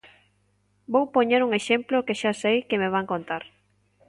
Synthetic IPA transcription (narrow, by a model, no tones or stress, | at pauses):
bowpoɲeɾuŋeʃemplokeʃasejkemeβ̞aŋkont̪aɾ